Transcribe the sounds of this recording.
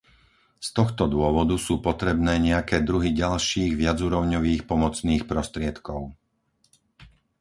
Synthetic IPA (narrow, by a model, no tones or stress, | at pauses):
st̪ɔxt̪ɔd̪ʊɔʋɔd̪usuːpɔt̪ɾɛbnɛːɲɛakɛːd̪ɾuɦiɟalʃiːɣʋɪad͡zuːɾɔʊɲɔʋiːxpɔmɔt͡sniːxpɾɔst̪ɾɪɛt̪kɔʊ